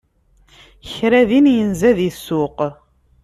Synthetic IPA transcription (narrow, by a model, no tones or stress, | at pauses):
çɾæðinjənzæðəsːʊq